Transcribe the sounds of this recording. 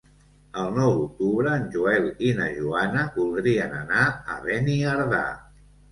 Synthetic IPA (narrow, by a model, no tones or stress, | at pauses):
əlˠnɔwðuk̚t̪uβɾəːnʲʒuɛlinəʒuanəβulˠd̪ɾiənənaə̰βeniəɾða̰